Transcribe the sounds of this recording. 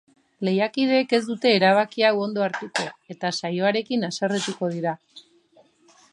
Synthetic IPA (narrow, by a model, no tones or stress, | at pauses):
le̞jakið̞e̞ːke̞zd̪ut̪e̞ːɾaβ̞akiawo̞nd̪o̞aɾt̪eko̞e̞t̪asajo̞aɾe̞kinasaret̪uko̞ðiɾa